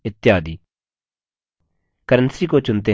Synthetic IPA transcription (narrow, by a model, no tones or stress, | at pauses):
ɪt̪ːɪjaːd̪iː | kəɾənsiːkoːt͡ʃʊnt̪e